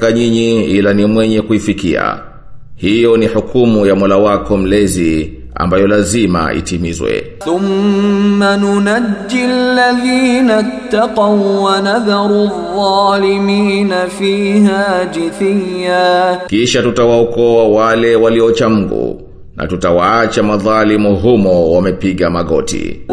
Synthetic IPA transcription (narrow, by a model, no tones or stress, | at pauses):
kaɲiɲiilanimwɛɲɛkuifikia̰ | hijɔnihukʰumujamɔlawakɔm̩lɛzi | a̰mbajɔlazima̰ʔḭtimizwɛ̰θʊmː | anʊnad͡ʒːɪalːaðiːnat̪ːɑqɑwwanaðɑɾˤðˤɑːlɪmiːnafiːhaːd͡ʒɪθijːaːkiʃatutawaɔkɔawalɛwaliɔt͡ʃam̩ɡṵ | nʔa̰tutawaat͡ʃamaðalimuɦumɔwamɛpiɠamaɠɔ̰tḭ